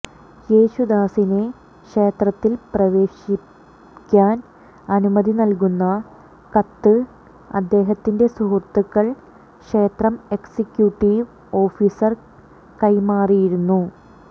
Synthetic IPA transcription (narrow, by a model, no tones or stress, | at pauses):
je̞ːɕud̪aːsine̞ | kʂe̞ːt̪rɐt̪ːilprɐʋe̞ːɕi | kʲːaːn | ɐnumɐðinɐlkunːɐ | kɐt̪ːɨ | ɐ̰d̪ːe̞ːɦɐt̪ːinde̞suɦurt̪ːukːɐɭ | kʂe̞ːt̪rɐme̞ksikʲjuʈːiʋ | o̞ːfiːsɐr | kɐjmaːrijiɾunːu